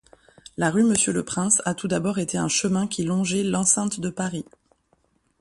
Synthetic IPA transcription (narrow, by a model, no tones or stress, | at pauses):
laʁyməsjələpχɛ̃sat̪ud̪abɔʁet̪eɛ̰̃ʃəmɛ̃kʲilɔ̃ʒɛlɑ̃sɛ̃t̪d̪əpaʁi